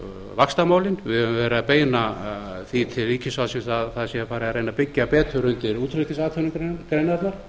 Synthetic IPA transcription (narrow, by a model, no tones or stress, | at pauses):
vakst̪amaːwlɪnvɪðhœvɪ̃mvɛːɾaðpeːjnaθit̪ʰɪliːcʰɪsasɛmθaðθaðsjɛfaːɾɪaɾejnapɪcːapɛːt̪ʰʏɾʏnt̪ɪɾuːt̪ʰɾʏt̪ɪsaːt̪ʰɛwnɪkɾkɾejnaɾt̪naɾ̥